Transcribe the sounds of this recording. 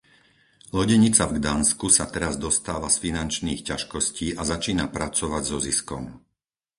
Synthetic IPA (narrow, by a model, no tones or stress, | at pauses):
lɔɟɛɲit͡savɡd̪anskusat̪ɛɾazd̪ɔst̪aːʋasfinant͡ʃniːxcaʃkɔsciːʔazat͡ʃiːnapɾat͡sɔʋaɟzɔziskɔm